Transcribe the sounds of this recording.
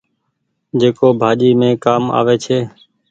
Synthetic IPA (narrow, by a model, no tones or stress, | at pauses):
d͡ʒeːkoːbʱaːʄiːmẽːkaːma̰ːʋeːt͡ʃʰeː